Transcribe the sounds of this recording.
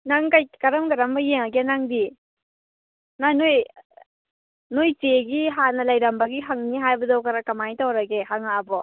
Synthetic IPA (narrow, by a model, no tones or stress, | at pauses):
naŋkajkɐɾɐmɡɐɾɐmbɐjeŋɐɡenaŋdi | nanoj | nojteɡiɦanɐlɐjɾɐmbɐɡiɦɐŋniɦajbɐdɐwkɐɾɐkɐmajtawɾɐɡeɦɐŋaːbɔ